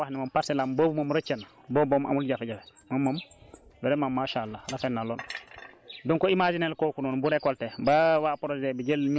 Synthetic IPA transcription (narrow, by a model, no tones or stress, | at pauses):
ahnimampasɛlambobumomɾɐt͡ʃen | boːboma̰mulɟafeɟafemamːambɛɾemamːaʃalːaɾafenːaloːn | dɔŋkɔimad͡ʒinelkoːkunɔːnbuɾekɔltebawapoɾozebiɟelɲ